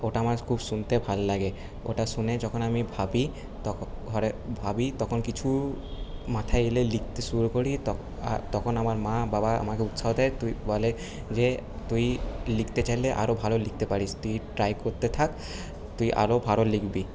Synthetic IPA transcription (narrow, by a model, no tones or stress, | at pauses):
oʈaamazkʰubsunt̪ebʱallaɡe | o̰ʈasuned͡ʑɔkʰonamibʱabi | t̪ɔɔɾebʱabit̪ɔkʰonkit͡ɕʰu | mat̪ʰaeelelik̚t̪eʃuɾukoɽit̪ɔ | a̰t̪ɔkʰonamaɾmãbabaa̰makeut̪saod̪ɛjt̪uibɔle | d͡ʑe | t̪ujlikt̪et͡ɕajleʔa̰ɾobʱalolik̚ʰt̪epaɽist̪ujʈɾajkoɾt̪et̪ʰak | t̪ujʔa̰ɾobʱalolikbi